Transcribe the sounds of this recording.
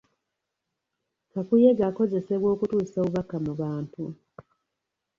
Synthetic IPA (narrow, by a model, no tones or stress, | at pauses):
kakuje̞ɡako̞ze̞se̞βwo̞ːkutuːso̞ːβuβakːamuβaːntu